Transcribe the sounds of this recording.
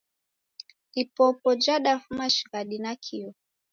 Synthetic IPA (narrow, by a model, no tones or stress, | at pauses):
ipɔpɔd͡ʒaɗafumaʃi̥ɣaɗinakʰiɔ